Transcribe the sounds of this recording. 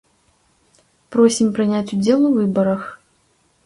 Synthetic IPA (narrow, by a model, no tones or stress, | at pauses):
pɾɔsʲimpɾɨnʲat͡sʲʊd͡zʲɛlˠuvɨbɐɾɐx